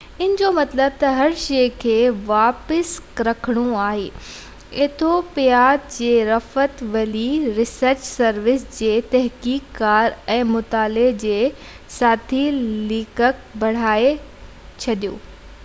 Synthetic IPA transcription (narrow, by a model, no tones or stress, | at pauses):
ɪnd͡ʑomɐt̪ləb̚t̪ɐɦɐɾʃeːkʰeːʋaːpəsɾɐkʰəɽ̃ũaːɦeː | ɪt̪ʰopɪjaːd̪̚d͡ʑeːɾɐfət̪ʋɐliɾɪsəɾt͡ɕsɐɾʋɪsd͡ʑeːt̪ɐɦkiːkːaːɾɛ̃ːmʊt̪aːled͡ʑeː | saːt̪ʰiliːkək̚bɐɽ̤aːe | t͡ɕʰɐɗijo̰ː